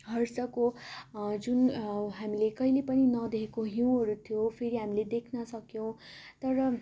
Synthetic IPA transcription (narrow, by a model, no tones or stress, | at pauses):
ɦʌrsʌko | d͡zunɦamilekʌilepʌninʌd̪eɦekoɦiw̃ɦʌɾut̪ʰijopʰeɾiɦamiled̪ekʰnʌsʌkjõw̃t̪ʌɾʌ